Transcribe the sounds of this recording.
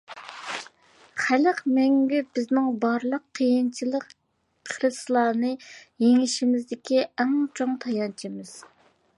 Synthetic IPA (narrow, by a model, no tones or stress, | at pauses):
χæləqmɛŋɡʲybɪznɪŋbɑɾlˠəqʰːəjint͡ʃʰilˠəqːʰ | ɾɨslˠɑːnɨjeŋɪʃimɪzd̪ɪkʲiɛŋt͡ʃʰoŋt̪ʰɑjɑnt͡ʃʰimɨz̥